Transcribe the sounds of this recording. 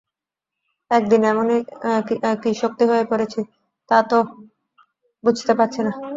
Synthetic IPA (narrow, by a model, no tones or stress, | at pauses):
ɛk̚d̪inɛmone | kiʃok̚t̪iɦoepoɾet͡ɕʰi | t̪at̪o | bud͡ʑʱt̪epaɾt͡ɕʰena